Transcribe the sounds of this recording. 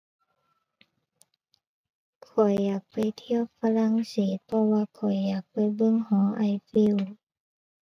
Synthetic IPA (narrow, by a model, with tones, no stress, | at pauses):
kʰɔ˨˩jːaː˨˩k̚pa˨˩jt̪ʰi˧ə˨wfa˧la˧˥˨ŋseː˨˦t̪̚pʰɔ˧waː˧kʰɔ˨˩jːaː˨˩k̚pa˨˩jbɤ˧˨ŋhɔː˨˦ʔa˧˩jfi˧˨w